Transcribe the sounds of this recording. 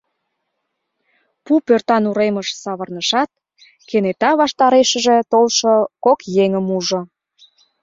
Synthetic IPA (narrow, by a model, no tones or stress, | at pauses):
pupørt̪ɑnuɾeməʃsɑβə̆rnəʃɑt̪̚ | kenet̪ɑβɑʃt̪ɑɾeʃə̆ʒĕt̪olʃokokjeŋəmuʒŏ